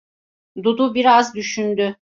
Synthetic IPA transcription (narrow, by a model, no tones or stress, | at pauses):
d̪ud̪ubiɾazd̪yʃynd̪y